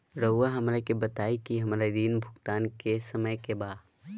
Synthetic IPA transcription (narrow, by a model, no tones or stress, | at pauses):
ɾɐʊaɦɐmɾakebət̪aːikiɦɐmɾad̪iːnbʱʊɡt̪aːnkesɐməjkebaːd̪